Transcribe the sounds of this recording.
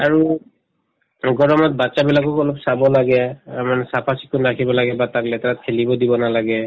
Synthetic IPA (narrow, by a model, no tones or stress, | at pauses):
aɹu | ɡɔɹɔmɔt̚bat͡ʃabilakɔkɔlɔpsabɔlaɡɛmanɛsapʰasi̥kːunakʰibɔlaɡɛbataklɛtʰaat̚kʰelibɔdibɔnalaɡɛ